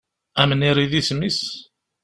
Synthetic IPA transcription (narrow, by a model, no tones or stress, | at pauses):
æməniɾiðismis